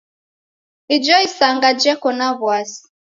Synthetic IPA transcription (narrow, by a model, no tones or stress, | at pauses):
id͡ʒɔisaŋɡad͡ʒɛkɔnaβwasi̥